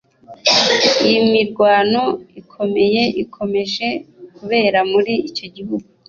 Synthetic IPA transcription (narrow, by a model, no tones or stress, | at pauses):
ijimiɾɡwaːno̞ikʰo̞me̞je̞ʔikʰo̞me̞ʒe̞kuβe̞ːɾamuɾiːco̞ɟiɦuɡu